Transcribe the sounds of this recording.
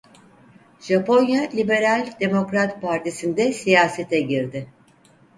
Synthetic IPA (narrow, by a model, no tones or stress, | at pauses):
ʒ̥apʰo̞njalʲibe̞ɾalʲd̪e̞mo̞kɾat̪pʰaɾt̪ʰisind̪ɛsijaːse̞t̪ʰɛɟiɾd̪ɪ